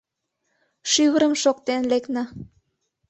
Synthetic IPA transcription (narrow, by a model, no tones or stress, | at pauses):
ʃyβəɾəmʃokt̪enleknɑ